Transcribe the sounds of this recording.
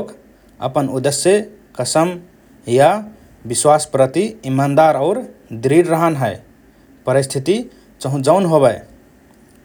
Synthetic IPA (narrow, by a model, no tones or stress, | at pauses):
k | ə̰pənud̪esje | kəsəm | ja | biswaspɾət̪iimːand̪aɾaʊɾd̪ɾiɾɾəɦənɦəe | pəɾist̪ʰit̪i | t͡ʃəɦũd͡ʒaʊnɦoβə